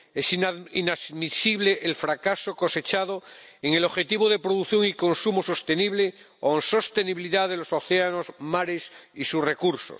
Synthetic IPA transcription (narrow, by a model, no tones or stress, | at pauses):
esininamisiβleʔelfɾakasoko̞se̞t͡ʃað̞o | eŋelo̞xe̞t̪iβoðe̞pɾoðuθjo̞ŋiko̞nsumoso̞st̪e̞niβ̞le | onso̞st̪eniβiliðaðelo̞soθeano̞zmaɾesisusre̞kuɾso̰s